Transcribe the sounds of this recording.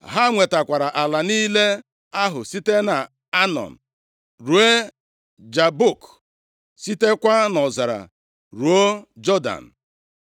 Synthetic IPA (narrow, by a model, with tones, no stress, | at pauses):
ɦa˦ŋʷe˨ta˨kʷa˨ɾa˨ʔa˨la˨niː˦le˦ | a˦ɦʊ˨si˦te˦na˨ | a˦nɔ̰˨m̩˨ | ɾu˨e˦ | d͡ʒa˨bu˦˨k | si˦te˦kʷa˦nɔ˨za˨ɾa̰˨ | ɾu˨o˦d͡ʒɔ˦da̰˨n̩˨